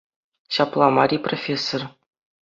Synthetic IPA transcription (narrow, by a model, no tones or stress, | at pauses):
ɕɑplˠɑmɑɾʲiprofʲesːor